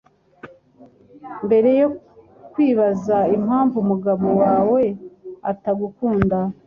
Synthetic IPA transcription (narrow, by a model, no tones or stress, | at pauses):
mbe̞ɾe̞jo | kwiːβazaimhaːɱvumuɡaβo̞waːwe̞ataɡukuːnda